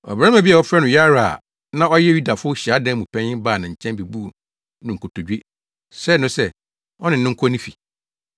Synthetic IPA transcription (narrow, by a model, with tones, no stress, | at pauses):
ɔ̰˨bɾã˦mã˨bi˦ɛ˨ɔ˦fɾɛ˦nʊ̃˨ja˦ɾa̰˨ | nã˦ɔ˦jɛ˦ju˦da˨fʊ˦ɕi˨a˦dɛ̃˦mũ˨pʰɛ̃˦ɪ̃˦baː˦˨nã˨ɲ̩˨t͡ɕʰɛ̃˦mbe˨bu˦˨ | nʊ̃˨ŋ̩˨kʰo˨tʰo˨d͡ʑᶣe˦ | sɛ˦˨nʊ̃˦sɛ˦ | ɔ˦nɪ̃˨n˨nɪ̃˦ŋ̩˦kʰɔ˦nĩ˦fi˨